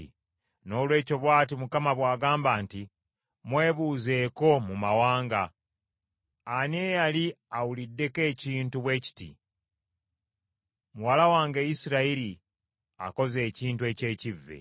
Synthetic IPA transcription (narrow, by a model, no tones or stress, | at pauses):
no̞ːlwe̞ːco̞βwaːtimukamaβwaːɡaːmbaːnti | mwe̞ːβuze̞ːko̞mumawaːŋɡa | nejaliawulidːe̞ke̞ːciːntuβwe̞ːci̥tḭ | muwalawaːŋɡejisiɾaiɾi | a̰ko̞ze̞ːciːntue̞ːce̞ːcivːḛ